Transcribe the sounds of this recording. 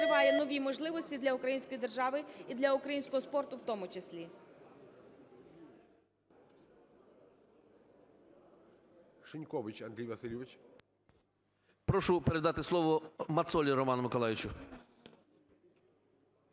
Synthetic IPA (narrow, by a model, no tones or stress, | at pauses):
ɾɪʋɑjɛnɔʋʲimɔʒlˠɪʋɔsʲtʲid̪lʲɐʊkɾɐjinʲsʲkɔjid̪erʒɑʋɪid̪lʲɐʊkɾɐjinsʲkɔɦɔspɔrt̪ʊwt̪ɔmʊt͡ʃesʲlʲi | ʃɪnʲkɔʋɪt͡ʃɐnd̪ɾʲijʋɐsɪlʲjɪʋɪt͡ʃ | pɾɔʃʊpeɾed̪ɑt̪ɪslˠɔʋɔmɐt̪sɔlʲiɾɔmɑnɐmɪkɔlˠajʲɪt͡ʃʊ